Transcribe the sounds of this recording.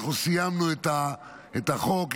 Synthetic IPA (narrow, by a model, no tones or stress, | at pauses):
χusijamnuet̪a | et̪aχok